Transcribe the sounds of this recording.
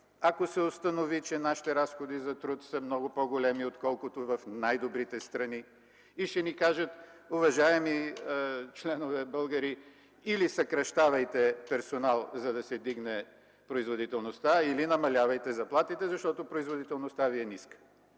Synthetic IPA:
ɐkosɛost̪ɐnovit͡ʃɛnaʃi̥t̪ɛɾasxod̪izɐt̪ɾut̪səmnɔɡʊpoɡolɛmiot̪kɔlˠkʊt̪ovɐfnajd̪obɾit̪ɛst̪ɾɐni | iʃɛnikaʒət̪ʊvɐʒaɛmi | t͡ʃlɛnovɛbəlˠɡɐɾi | ilisɐkɾɐʃt̪avɐjt̪ɛpɛɾsonalˠzɐd̪ɐsɛd̪iɡnɛ | pɾoizvod̪it̪ɛlˠnost̪ailinɐmɐlʲavɐjt̪ɛzɐplˠat̪it̪ɛzɐʃt̪ɔt̪opɾoizvod̪it̪ɛlˠnʊst̪aviɛniskə̥

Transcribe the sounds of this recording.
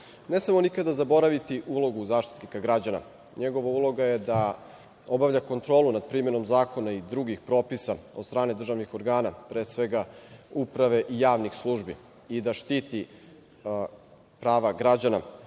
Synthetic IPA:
nesamo̞nikad̪azabo̞ɾaʋit̪iʔulo̞ɡuzaːʃt̪i̥t̪nikaɡɾad͡ʑana̰ | ɲeɡo̞ʋaulˠo̞ɡajed̪a | o̞baʋʎako̞nt̪ɾo̞ːlˠunad̪̚pɾiːme̞no̞mzaːkʰo̞naid̪ɾuɡixpɾo̞ːpisaod̪st̪ɾaːned̪r̩ʒaʋnixo̞ɾɡaːnapɾeːsʋe̞ɡaupɾaʋe̞ʔijaːʋnixslˠuʒbḭ | id̪aʃt̪it̪i | pɾaːʋaɡɾad͡ʑana̰

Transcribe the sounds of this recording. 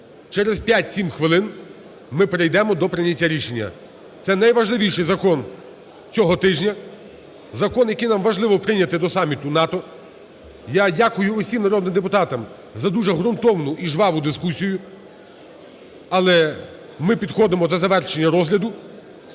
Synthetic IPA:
t͡ʃɛɾezpʲjatʲsʲimxʋɪlˠɪn | mɪpɾejd̪ɛmɔd̪ɔpɾɪnʲɐtʲːaɾʲiʃe̞nʲːɐ̰ | t̪sɛnɐjʋɐʒlˠɪʋʲijʃɪjzɐkɔn | t͡sʲɔɦɔt̪ɪʒnʲɐ | zɐkɔnjɐkijnɑmʋɐʒlˠɪʋɔpɾɪnʲɐt̪ɪd̪ɔsɑmʲit̪ʊnɑt̪ɔ | jadʲakʊjʊʊsʲimnɐɾɔd̪nɪmd̪ep̬ʊt̪ɑt̪ɐm | zɐd̪uʒɛɦɾʊnt̪ɔwnʊʔiʒʋɑʋʊd̪ɪskusʲijʊ | ɐlˠɛ | mɪpʲid̪xɔd̪emɔd̪ɐzɐʋɛrʃenʲːɐɾɔzɦlʲɐd̪ʊ

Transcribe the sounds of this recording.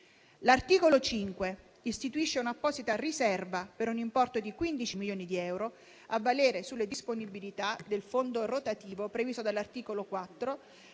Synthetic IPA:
lart̪iːkolot͡ʃiŋkwe | ist̪it̪uiʃːeunapːɔːzit̪arisɛrvapeɾunimpɔrt̪od̪ikwind̪it͡ʃimiljoːnid̪iɛwɾo | avːaleːɾesulːed̪isponibilit̪ad̪elfond̪orot̪at̪iːvopɾevisod̪alːart̪iːkolokwat̪ːɾo

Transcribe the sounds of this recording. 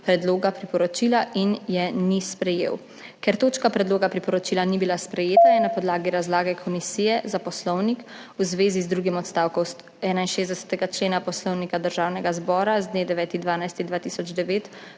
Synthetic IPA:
pɾɛd̪loːɡapɾipɔɾɔt͡ʃiːlaʔinjɛnispɾɛjḛːw | kɛɾt̪oːt͡ʃkapɾɛd̪loːɡapɾipɔɾɔt͡ʃiːlanibilaspɾɛjeːt̪ajɛnapɔd̪laːɡiɾazlaːɡɛkʰɔmisijɛzapɔslɔwnik | uzʋeːzizd̪ɾuɡimɔt̪st̪awkɔws | ɛːnainʃeːzd̪ɛsɛ̥t̪ɛɡat͡ʃleːnapɔslɔwnikad̪əɾʒaːwnɛɡazbɔːɾazd̪neːd̪ɛʋɛːt̪ind̪ʋaːnajst̪ind̪ʋaːt̪isɔd͡ʒd̪ɛʋeːt̪

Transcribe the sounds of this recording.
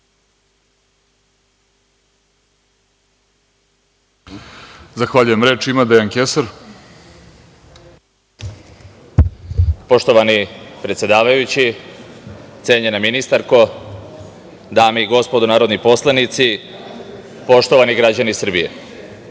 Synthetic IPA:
zaxʋaʎujemɾe̞ːt͡ʃimad̪eaŋkesaɾ | po̞ʃt̪o̞ʋanipɾe̞t̪sʲje̞d̪aːʋajut͡ɕi | t̪se̞ːɲenaminist̪aɾko̞ | d̪aːmeiɡo̞spo̞d̪onaːɾo̞d̪nipo̞slˠanit̪si | po̞ʃt̪o̞ʋaniɡɾad͡ʑanisr̩bijḛ

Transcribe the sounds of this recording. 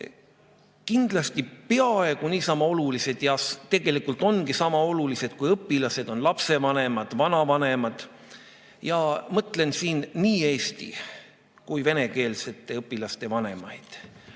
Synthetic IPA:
kind̪̥lɑst̪ipe̞ɑe̞ɡ̥uniːsɑmɑo̞lulise̞d̪̥jɑst̪e̞ɡ̥e̞likult̪ˑo̞nɡisɑmɑo̞lulise̞d̪̥̚kujɤpːilɑse̞d̪̥o̞nlɑpse̞vɑne̞mɑd̪̥vɑnɑvɑne̞mɑd̪̥ | jɑmɤt̪ˑle̞nsiːnːiːe̞ːst̪ḭ | kujve̞ne̞ke̞ːlse̞t̪ːˑe̞ɤpːˑilɑst̪e̞vɑne̞mɑ̰jd̪̥

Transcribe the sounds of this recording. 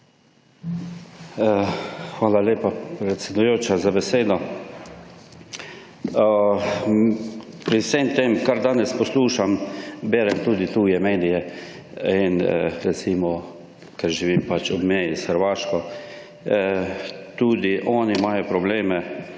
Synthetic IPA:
xʋaːlaleːpapɾɛt̪sʲɛd̪ujoːt͡ʃazabɛseːd̪ɔ | pɾisemt̪emkaɾd̪aːnɛspɔsluːʃambɛːɾɛmt̪uːd̪it̪uːjɛmeːd̪ijɛ | inəɾɛt̪simɔ | kɛɾʒiʋimpat͡ʃubmɛjisxəɾʋaːʃkɔ | t̪uːd̪iʔɔːnimajɔpɾɔbleːmɛ

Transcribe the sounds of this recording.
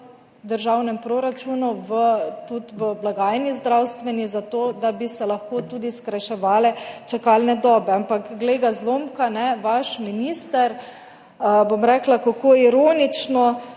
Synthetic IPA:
d̪əɾʒawnɛmpɾoɾat͡ʃunuʋət̪ut̪ʋəblaɡaːjnizd̪ɾawst̪ʋɛnizat̪oːd̪abisɛlaxkot̪uːd̪iskɾajʃɛʋaːlɛt͡ʃɛkalnɛd̪ɔːbɛampakɡleːɡazlomkanɛʋaʃminiːst̪əɾ | bomɾɛklakakoːiɾoːnit͡ʃnɔ

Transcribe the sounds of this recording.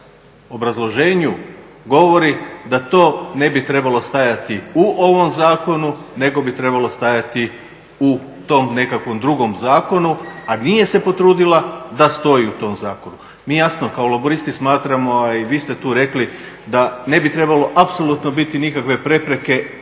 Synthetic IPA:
o̞bɾazlˠo̞ʒeːɲu | ɡo̞ʋo̞ɾid̪at̪o̞ːne̞bit̪ɾe̞balo̞st̪ajat̪iuʔo̞ʋo̞mzaːko̞nune̞ɡo̞bit̪ɾe̞balˠo̞st̪ajat̪i | u | t̪o̞mne̞kakʋo̞md̪ɾuɡo̞mzaːko̞nuanije̞se̞po̞t̪ɾuːd̪ilad̪ast̪o̞jiut̪o̞mzaːko̞nu | miːjasno̞kaolˠaboɾist̪ismaːt̪ɾamo̞aiʋiːst̪e̞t̪uːɾe̞kli | d̪ane̞bit̪ɾe̞balo̞ʔapso̞lˠut̪no̞bit̪inikakʋe̞pɾe̞pɾe̞ke̞

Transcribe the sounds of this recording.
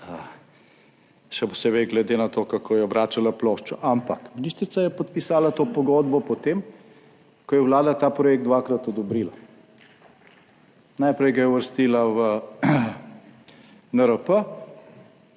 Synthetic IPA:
ə | ʃɛpɔsebɛɡlɛd̪enat̪okakʰojɛɔbɾaːt͡ʃalaploːʃt͡ʃɔʔampakminist̪ɾit̪sajɛpɔt̪̚pisaːlat̪oːpɔɡoːd̪bɔpɔt̪eːm | kɔjɛwlaːd̪at̪apɾɔjek̚t̪d̪ʋakɾat̪ɔd̪ɔbɾiːla | najpɾɛjɡajɛuʋəɾst̪iːlaʋə | nəɾəpə

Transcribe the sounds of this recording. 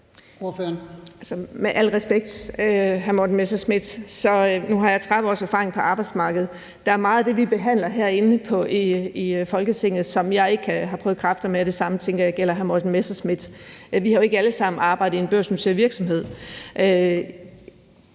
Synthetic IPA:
oføɐnæsɒmeʔæl̰ʁɛsb̥eɡ̥̚d̥øɦæɐmodn̩mesd̥ɐsmid̥sɒ̽nuɦɑ̈jɑ̈ɪt͡sʰʁað̩ˠɒ̰ːsæɐfɑ̈ːʁe̝ŋpʰɒ̽ʔɑ̈ːb̥ɑ̈ɪd̥smɑ̈ːɡ̥əð̞̩ˠ | d̥ɑ̈æɐmɑ̈ːð̩ˠd̥e̝ʋib̥e̝ɦæn̰lɐɦæɐ̰e̝nəpʰɒ̽iifɒ̽lɡ̥ət͡sʰe̝ŋ̰ð̩ˠsɒ̽mjɑ̈ɪe̝ɡ̥əkʰæɦɑ̈pʰœːʊð̩kʰʁɑ̈fd̥ɐmeæɾ̥e̝sɑ̈mət͡sʰeŋɡ̥ɐjɑ̈ɪɡ̥el̰ɐɦæɐmod̥n̩mesd̥ɐsmid̥ʋihɑ̈jo̝e̝ɡ̥əæləsɑ̈mn̩ɑ̈ːbɑ̈ɪ̰d̥̩ˠienb̥øɐ̰snusʰeɐʋiɐɡ̥sɒ̽mɦe̝ð̞̰ˠʔø

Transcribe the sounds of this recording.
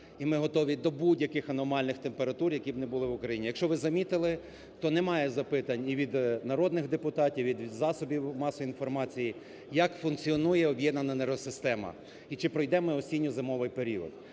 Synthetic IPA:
imɪɦɔt̪ɔʋʲid̪ɔbudʲjɐkɪxɐnɔmɑlʲnɪxt̪empeɾɐt̪urjɐkʲibnɛbʊlˠɪʋʊkɾɐjinʲijɐkʃt͡ʃɔʋɪzɐmʲit̪ɪlˠɪ | t̪ɔnɛmɑjɛzɐpɪt̪ɐnʲiʋʲid̪nɐɾɔd̪nɪxd̪epʊt̪ɑtʲiwʋʲid̪zɑsɔbʲiwmɑsɔinfɔrmɑt͡sʲiji | jɐkfʊnkt͡sʲiɔnujɛɔbʲjɛd̪nɐnɐneɾɔsɪst̪ɛmɐ̰ | it͡ʃɪpɾɔjd̪ɛmɪɔsʲinʲːʊzɪmɔʋɪjpeɾʲiɔ̰d̪

